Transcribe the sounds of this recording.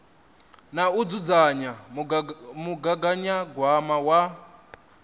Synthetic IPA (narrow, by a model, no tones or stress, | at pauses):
naud͡zud͡zaɲa | muɡaɡaɲaɡwamawa